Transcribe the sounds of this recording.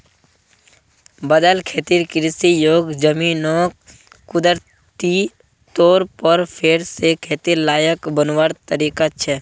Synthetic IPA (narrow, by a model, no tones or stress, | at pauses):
bəd̪əlkʰeːt̪iɾkɾɪsijoːɡd͡ʒəminɔːk | kːʊd̪əɾ | t̪i | t̪oːɾpəɾpʰeːɾsekʰeːt̪iɾlaːjəkbənwəɾt̪əɾiːkat͡ʃʰɛ